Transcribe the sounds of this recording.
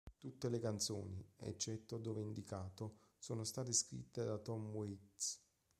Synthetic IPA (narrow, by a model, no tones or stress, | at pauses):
t̪ut̪ːelekant̪so̰ːniɛ̰t͡ʃːɛt̪ːod̪oːveind̪ikaːt̪osoːnost̪aːt̪̬eskɾḭt̪ːed̪at̪ɔmːuit̪s